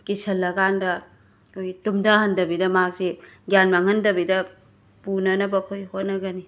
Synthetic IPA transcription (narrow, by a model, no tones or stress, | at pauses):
kisɐlːɐɡandɐ | kʰojɡitumdaɦɐndɐbidɐmak̚siɡjanmaŋhɐndɐbidɐ | punɐnɐbɐkʰojhot̚nɐɡɐni